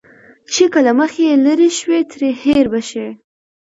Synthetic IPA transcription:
t͡ʃekəlaməxeləɾeʃwet̪ɾeheɾbaʃe

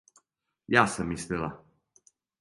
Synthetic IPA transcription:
jasəmist̪ela

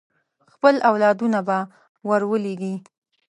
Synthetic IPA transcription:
xpəlawlɑd̪unaba | waɾwəleɡi

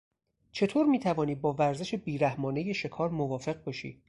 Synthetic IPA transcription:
t͡ʃʰe̞t̪ʰoːɾmiːt̪ʰævɒːniːd̪̚bɒːvæɾze̞ʃe̞biːɾæhmɒːne̞je̞ʃe̞kʰɒːɾmovɒːfe̞ɣ̚bɒːʃḭː

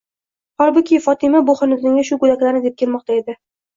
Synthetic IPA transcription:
hɒlˠbʊkʲʰɪfɒt̪ʰɪmaboχɨnɪzɪŋʲɪʃʊɡʊd̪akʲlaɾnɪd̪ep̚kʲʰe̞lmɒq̚t̪ae̞d̪ɪ

